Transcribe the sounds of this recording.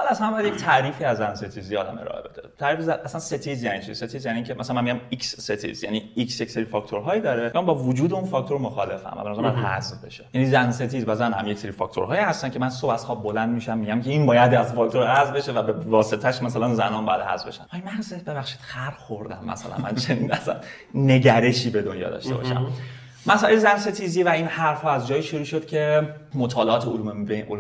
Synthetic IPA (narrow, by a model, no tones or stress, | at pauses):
ɑlæsænmbɒjad̪ject̪ʰæɾiːfiːæzːænse̞t̪ʰizijɒːd̪æ̰me̞̰ɾ̰ːʔḛbe̞d̪et̪ʰæɾiːfizæʔæsænset̪ʰiːzjæniːt͡ʃʰḭzset̪ʰizjæniːcʰemʔæsalænmænmiɟʲjæmiksːet̪ʰḭzjæniiksjecʲse̞ɾiːfɒkt̪ʰoɾɦɒːjid̪ɒːɾejɑmbɒːvod͡ʒuːd̪eunfɒːkt̪o̞ɾmoxɒːle̞fæ̰mvæ̰benæzæɾmjaɦæ̰zvbe̞̰ʃejænizænset̪ʰiːzbæzænhæ̰mjecseɾiːfɒ̰kʰʲt̪ʰo̰ɾɦɒːjihæst̪æncʰe̞mænsobæshɒbo̞lænd̪miːʃæmːiɟæmcʰe̞inbɒːjæd̪æzfɒk̚t̪ʰoɾhæzvbe̞ʃevæbevɒːse̞t̪ʰæʃmæsælænzænɒːnbɒːjæ̰d̪hæ̰zvbe̞̰ʃænɒːjmænsebe̞bæxʃi̥ːd̪̥xæɾxoɾd̪æ̰mːæ̰sæ̰læ̰mæ̰nt͡ʃʰenḭːnæsæ̰nː | e̞ɟæɾe̞ʃiːbe̞d̪onjɒ̰ːd̪ɒ̰ʃt̪e̞bɒ̰ʃæ̰m | mæslelzænse̞t̪ʰiziːvæiːnhæɾfhɒːæzd͡ʒɒːjiːʃoɾuːʃod̪̥cʲʰe̞mot̪ʰɒːleɒːt̪ʰeolumebeʔol